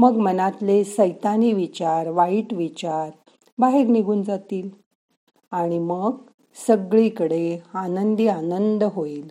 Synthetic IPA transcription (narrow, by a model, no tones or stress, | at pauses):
məɡmənat̪lesəjt̪aniːʋit͡ɕaɾʋaiʈʋit͡ɕaɾ | baɦeɾniɡʱuːnd͡zat̪iːl | aɽ̃iməɡ | səɡɭikəɽeanənd̪ianənd̪əɦoiːl